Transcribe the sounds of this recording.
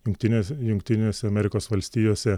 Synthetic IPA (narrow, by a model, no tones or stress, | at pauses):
jʊŋkt̪ʲɪnʲejʊŋkt̪ʲɪnʲeːsʲɛɐmʲɛɾʲɪkoːsʋɐlʲsʲt̪ʲiːjoːsʲɛ